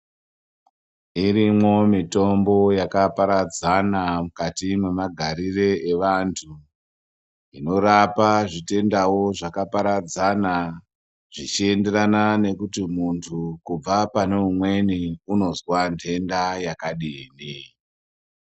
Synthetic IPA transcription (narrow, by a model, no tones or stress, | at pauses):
iɾimwo̞mito̞mbo̞jakapaɾad͡zanamukatimwe̞maɡʱaɾire̞eʋantʰu | ino̞ɾapaʐite̞ndawo̞ʐakapaɾad͡zana | ʐ̥it͡ʃie̞nde̞ɾanane̞kutimuntʰukub͡vapane̞umwe̞niuno̞zwantʰe̞ndajakaɗiːni